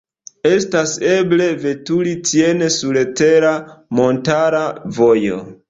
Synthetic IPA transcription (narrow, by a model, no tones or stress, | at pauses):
e̞stase̞ble̞ve̞tulitienesulete̞ɾamo̞ntaɾavojo̞̰